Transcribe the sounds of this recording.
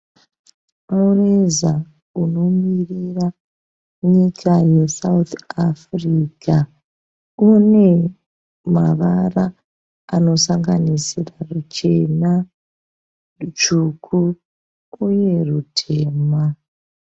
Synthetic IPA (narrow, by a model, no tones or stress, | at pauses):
aureza | uno̞mirira | ɲikʰaje̞saut̪afrika | une̞ | maʋaraː | no̞saŋɡanisirarut͡ʃe̞na | t͡ʃukʰu | uje̞rutʰe̞ːma